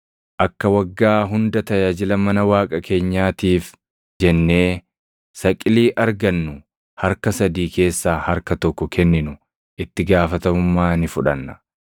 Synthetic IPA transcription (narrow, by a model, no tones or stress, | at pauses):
ʔɐkːɐwɐɡːaːɦʊnd̪ɐt̪ɐjaːd͡ʒɪlɐmɐnɐwaːkʼɐkʰe̞ːɲːaːt̪iːf | d͡ʒɛnːeː | sɐkʼɪliːʔɐɾɡɐnːʊ | hɐɾkɐsɐd̪iːkʰe̞ːsːaːhɐɾkɐt̪ɔkːɔkʰɛnːɪnʊ | ʔɪt̪ːɪɡaːfɐt̪ɐmʊmːaːnɪfʊᶑɐnːɐ̥